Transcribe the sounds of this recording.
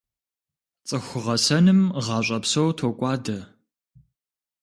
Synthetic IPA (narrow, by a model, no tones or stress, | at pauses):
t͡sʼɨxʷʊʁɐsɐnɨmʁɑːɕʷʼɐpsowtʰokʷʼɑːdɐ